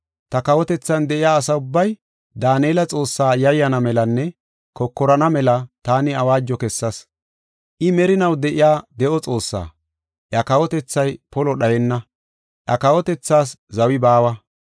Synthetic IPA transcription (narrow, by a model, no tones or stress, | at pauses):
t̪ɐkɐwɔt̪ɛt͡sːɐnd̪ɛʔɪjaːsɐʊbːɐj | d̪aːneːlɐt͡sʼo̞ːsːaːjɐjːɐnɐmɛlɐnːɛ | kɔkːɔɾɐnɐmɛlɐt̪aːnɪɐwaːd͡ʒːɔkɛsːɐs | ʔɪmɛɾɪnɐwd̪ɛʔɪjaːd̪ɛʔɔt͡sʼo̞ːsːa̰ː | ʔjɐkɐwɔt̪ɛt͡sːɐjpɔlɔɗɐjɛnːɐ | ʔɐkɐwɔt̪ɛt͡sːaːs̬zɐwɪbaːwɐ